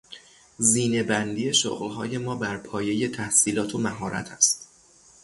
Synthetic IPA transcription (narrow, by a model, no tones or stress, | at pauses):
ziːne̞bænd̪iːje̞ʃo̰ɣlɦɒːje̞mɒːbæɾpʰɒːje̞je̞t̪ʰæhsiːlɒːt̪ʰomæɦɒːɾʔæ̰t̪ʰæst̪